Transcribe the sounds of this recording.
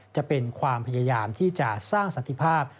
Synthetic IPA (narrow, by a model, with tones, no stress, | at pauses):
t͡ɕa˨˩pe˧nkʰwaː˧mpʰa˧jaː˧jaː˧mt̪ʰiː˥˩t͡ɕa˨˩saː˥˩ŋsa˨˦nt̪ʰi˨˩pʰaː˥˩p̚